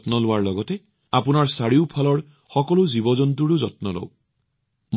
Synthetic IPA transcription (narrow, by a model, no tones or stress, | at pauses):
tnɔlʊwaɹlɔɡɔtɛ | apunaɹsaɹiʊpʰalɔɹ | xɔkɔluzibɔzɔntuɹuzɔtnɔlɔ̰w | m